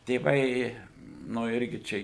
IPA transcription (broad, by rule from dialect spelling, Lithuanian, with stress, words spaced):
tʲeːˈʋɐɪ ˈnʊ ˈɪrʲɡʲɪ ˈt͡ʃʲɛ